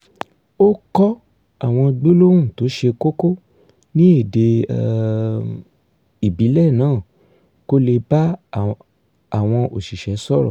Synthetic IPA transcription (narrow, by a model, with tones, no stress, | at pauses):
o˦kɔ˦ | a˦˨w̃ɔ̃˧ɡ͡be˦lo˦wũ˦˨to˨˦ʃe˧ko˦ko˦ | nĩ˦e˦˨de˧ | i˨bi˨˦lɛ˦˨nãː˨˦˨ | ko˦le˧ba˦ | a˦˨w̃ɔ̃˧ʔo˨ʃi˨ʃɛ˨˦sɔ˦ɾɔ̰˨